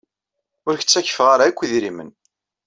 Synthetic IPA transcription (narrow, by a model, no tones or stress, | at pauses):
ʊɾçə̥t͡sːæçːə̥fʁaɾaikʷːiðɾimə̰n